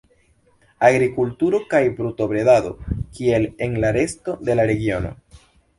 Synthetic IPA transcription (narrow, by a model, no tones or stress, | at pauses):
aɡɾikultuɾo̞kajbɾuto̞bɾe̞dado̞̰kie̞lenlaɾe̞sto̞de̞laɾe̞ɡio̞no̞̰